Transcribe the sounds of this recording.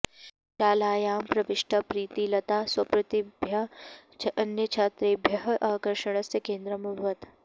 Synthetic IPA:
t͡ʃaːlaːjaːmpɾɐʋɪʃʈʰɐpɾiːt̪ilɐt̪aːswɐpɾɐt̪ibʱjɐt͡ʃʰɐnjət͡ʃʰaːt̪ɾeːbʱjɐɦʔaːkəɾʃəɽ̃ɐsekẽːnd̪ɾɐmuɾʋɐt̪

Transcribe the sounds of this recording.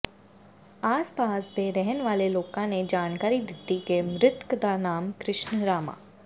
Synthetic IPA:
aːspaːsd̪eɾɛɦənʋaːleloːkãned͡ʒaːnkaːɾid̪ɪt̪ːikemɾɪt̪kd̪anaːmkɾɪʃnəɾaːma̰ː

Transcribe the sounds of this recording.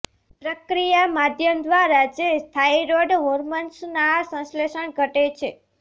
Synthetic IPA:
pɾəkɾijamad̪ʱjəmd̪ʋaɾad͡ʒest̪ʰaiɾoɖɦoɾmənsnasə̃sleʃəɳɡʱəʈet͡ʃʰe

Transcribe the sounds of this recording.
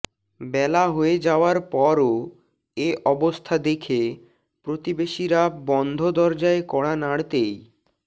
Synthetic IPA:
bɛlaɦoed͡ʑaoaɾpɔɾo | eʔɔbost̪ʰad̪ekʰe | pɾot̪ibeʃiɾabɔnd̪ʱod̪ɔɾd͡ʑaekɔɽanaɽt̪ej

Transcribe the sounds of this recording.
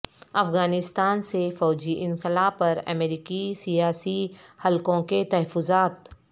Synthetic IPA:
ɐfɣaːnɪst̪aːnsefɔːd͡ʒiʔɪ̃nqɪlaːpɐɾɐ̰meːɾiːkisijaːsihɐlkõket̪ɐɦəfːʊzaːt̪

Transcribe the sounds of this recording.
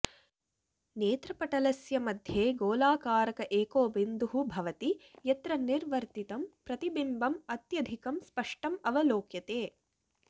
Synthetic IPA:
neːt̪ɾɐpɐʈɐlɐsjɐmɐd̪ʱjeːɡoːlaːkaːɾɐkɐʔeːkoːbind̪uɦubʱɐʋɐt̪ijɐt̪ɾɐniɾʋɐɾt̪it̪ɐmpɾɐt̪ibimbɐmɐt̪jɐd̪ʱikɐmspɐʂʈɐmɐʋɐloːkjɐt̪eː

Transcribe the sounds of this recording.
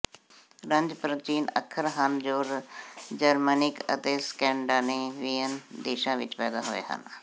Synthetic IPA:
ɾəɲd͡ʒpɾət͡ʃiːnə̰kʰəɾɦənd͡ʒoːɾd͡ʒəɾmənɪkə̰t̪eːskɛ̃ːɳɖaːneːʋiːənd̪eːʃãːʋɪ̰t͡ʃpɛːd̪aːɦʊḛːɦə̰n

